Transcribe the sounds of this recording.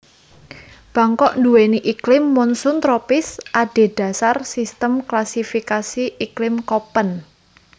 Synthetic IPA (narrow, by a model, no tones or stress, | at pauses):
b̥a̤ŋkɔʔnduweniʔiklɪmːɔnsʊnt̪ɾɔpɪsʔaɖ̥e̤ɖ̥a̤sarsist̪əmklasifikasiiklɪmkɔpən